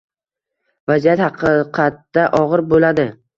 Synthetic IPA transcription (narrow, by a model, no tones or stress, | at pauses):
vazijat̪hɑqʰɨqʰɑt̪ːaʔɒʁɨɾbolad̪ɪ